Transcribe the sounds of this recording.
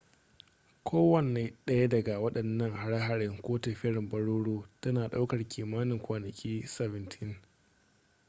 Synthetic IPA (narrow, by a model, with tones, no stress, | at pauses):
kʷʰoː˦wɐ˨nːe˨˦ɗɐ˦ja˦dɐ˨ɡa˨wɐ˦ɗɐ˨nːɐ˦ŋha˨ɽa˦ɦa˨ɽɪ˦ŋkʷoː˦tɐ˨ɸɪ˦ɽɪ˨mbɐ˦ɽoː˦ɽoː˦tɐ˦naː˨ɗa˦wkɐ˨rkʲʰiː˨maː˦nɪ˨ŋkʷaː˨nɐ˨kʲʼiː˦sɛ˨vɪ˨ntʰɪ˦ŋ